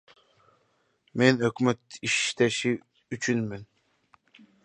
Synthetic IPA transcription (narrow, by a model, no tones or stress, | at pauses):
menøkmɛt̪iʃt̪ɛʃi | yt͡ʃʰynmyn